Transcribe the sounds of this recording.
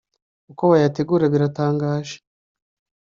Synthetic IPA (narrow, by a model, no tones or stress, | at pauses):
ukoβajate̞ɡuːɾaβiɾataːŋɡaːʒe̥